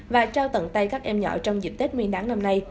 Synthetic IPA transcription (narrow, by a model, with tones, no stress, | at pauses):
vaː˨˩t͡ɕaː˧wt̪ə̰˧˨nt̪a˧jkaː˦˥k̚ʔɛ˧mɲɔ̰˧˨t͡ɕɔ˧wŋ͡mzḭ˨˩p̚t̪e˦˥t̚ŋwi˧nɗaː˨˦ŋna˧mna˧j